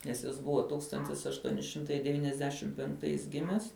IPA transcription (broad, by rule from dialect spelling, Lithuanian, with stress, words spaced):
nʲɛs ˈjɪs ˈbʊʋɐ ˈtuːkstɐnʲtʲɪs ɐʃˈtuɔnʲɪ ˈʃʲɪmtɐɪ dʲɛˈʋʲiːnʲɛzʲdʲɛʃʲɪm pʲɛŋkˈtɐɪs ˈɡʲɪmʲɛs